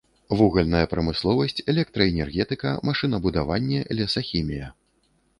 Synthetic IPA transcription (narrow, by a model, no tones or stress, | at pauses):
vuɣɐlʲnɐjɐpɾɐmɨslˠɔvɐsʲt͡sʲɛlʲɛk̚t̪ɾɐɛnʲɛrɣʲɛt̪ɨkɐmaʂɨnɐbud̪avanʲːɛlʲɛsɐxʲimʲijɐ